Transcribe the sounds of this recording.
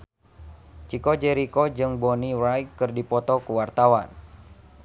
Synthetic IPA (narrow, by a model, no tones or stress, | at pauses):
t͡ʃikɔd͡ʒɛɾikod͡ʒɨŋbɔnirajkːɨrdipɔt̪ɔkuwart̪awan